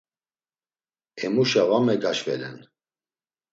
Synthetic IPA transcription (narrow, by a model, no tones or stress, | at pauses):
ɛmuʃavamɛɡaʃvɛ̰lɛ̰n